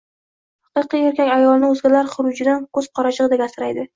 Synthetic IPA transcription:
hhɑqɨqɨjeɾkʲakʲajɒlˠnɪɵzɡʲalaɾχʊɾʊd͡ʒɪd̪ankʰɵz̥qʰɒɾaʃɨʁd̪aɡʲasɪɾajd̪ɪ

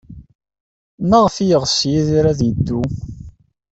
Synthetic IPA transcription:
mæʁfijəʁsjiðiɾæðjəd̪ːu

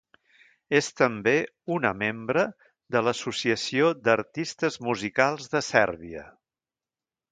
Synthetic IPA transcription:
est̪əmbe | unəmembɾə | ðələsusiəsiod̪əɾt̪ist̪əzmuzikalˠzðəsɛɾβiə̰

